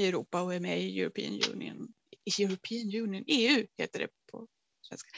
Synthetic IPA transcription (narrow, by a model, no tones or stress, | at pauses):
ɪɛɾuːpaɔæmɛɪjʉ̰ɾʊpʰḭːə̰njʉ̰ːnɪ̰ə̰n | ɪjʉɾʊpʰiːnjʉːnɪəneːʉ̟ːhḛːt̪əɖɛ̰pʰɔ̰ | svɛ̰nskḁ